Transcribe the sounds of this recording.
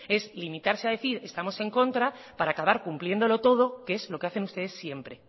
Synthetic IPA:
e̞zlimit̪aɾse̞aðe̞θiɾe̞st̪amo̞se̞ŋko̞nt̪ɾa | paɾaːkaβ̞aɾkumplje̞nd̪o̞lo̞t̪o̞ð̞o̞kee̞zlo̞keaθe̞nust̪e̞ð̞e̞sːje̞mpɾe̞

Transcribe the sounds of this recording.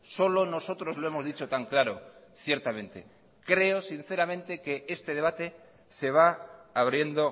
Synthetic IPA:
so̞lo̞no̞so̞t̪ɾo̞zlo̞e̞mo̞zðit͡ʃo̞t̪aŋklaɾo̞ | θje̞ɾt̪amẽ̞nt̪e̞̰ | kɾe̞osin̟θe̞ɾamẽ̞nt̪e̞ke̞est̪eð̞e̞β̞at̪e | se̞β̞aaβ̞ɾje̞nd̪o̞

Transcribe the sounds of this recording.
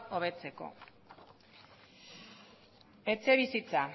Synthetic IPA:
o̞β̞e̞t͡se̞ko̞̰ | e̞t͡se̞β̞isit͡sa

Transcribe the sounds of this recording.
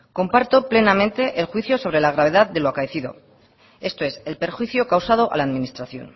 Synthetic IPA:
ko̞mpaɾt̪o̞ple̞namẽ̞nt̪e̞ʔelxwiθjo̞so̞β̞ɾe̞laɣ̞ɾaβe̞ð̞aðd̪e̞loakaeθiðo̞̰ | e̞st̪o̞e̞selpe̞ɾxwiθjo̞kawsað̞o̞ʔa̰laːðminist̪ɾaθjo̞̰n

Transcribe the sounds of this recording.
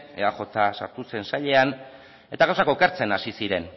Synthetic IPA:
eaxo̞t̪asa̰ɾt̪use̞nsaʎe̞an | e̞t̪aɣawsako̞ke̞ɾt͡se̞nasisiɾe̞n

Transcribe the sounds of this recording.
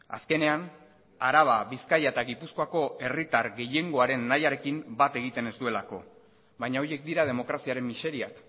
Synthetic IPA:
a̰ske̞ne̞an | aɾaβ̞aβiskajaet̪aɣipusko̞ako̞e̞rit̪aɾɣe̞je̞ŋɡo̞aɾe̞nːajaɾe̞kimbat̪e̞ɣ̞it̪e̞ne̞zd̪ue̞lako̞̰ | βajɲaoje̞k̚d̪iɾað̞e̞mo̞kɾasiaɾe̞mːise̞ɾia̰k

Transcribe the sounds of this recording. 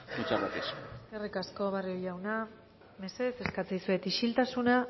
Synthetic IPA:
kut͡ʃamat̪iseske̞rikasko̞βarioʎawna | me̞seðese̞skat͡sajsue̞t̪iʃilt̪asuna

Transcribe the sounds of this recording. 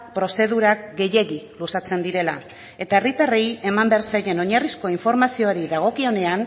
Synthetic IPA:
pɾo̞se̞ðuɾakɡe̞je̞ɣilusat͡se̞nd̪iɾe̞la | e̞t̪ae̞rit̪areje̞mambeɾsajɾeno̞ɲarisko̞iɱfo̞ɾmasio̞aɾiðaɣ̞o̞kio̞ne̞an

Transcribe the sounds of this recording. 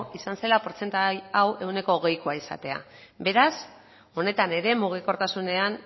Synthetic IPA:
isanse̞lapo̞ɾt͡se̞nt̪ajawe̞wne̞ko̞ːɣe̞jkoaisa̰t̪e̞a̰ | be̞ɾas | o̞ne̞t̪ane̞ɾe̞muɣ̞iko̞ɾt̪asune̞an

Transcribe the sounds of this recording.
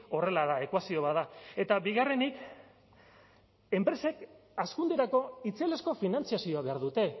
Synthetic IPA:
o̞re̞laðae̞kwasio̞βaðae̞t̪abiɣare̞nik | e̞mpɾe̞se̞kaskund̪eɾako̞it͡selesko̞finant͡siasio̞aβe̞aɾðut̪e̞

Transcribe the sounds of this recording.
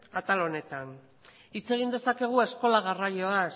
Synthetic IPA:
kat̪alo̞ne̞t̪an | it͡se̞ɣ̞ind̪e̞sake̞ɣ̞ue̞sko̞laɣ̞arajoa

